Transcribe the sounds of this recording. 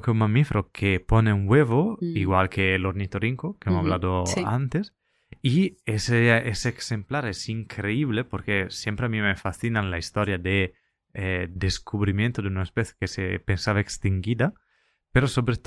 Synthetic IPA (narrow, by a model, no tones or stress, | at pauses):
keunmamifɾokʰeponeuŋweβoiɣwalkeloɾnit̪oɾiŋkokeemoaβlad̪oa̰nt̪es | ieseeseːksemplaɾesiŋkʰɾeiβlepoɾkesjempɾeamimefasθinanlaist̪oɾjad̪e | ɛd̪eskuβɾimjẽnt̪od̪eunaespeθjekesḛpensaβaekst̪iŋɡid̪a | peɾosobɾet̪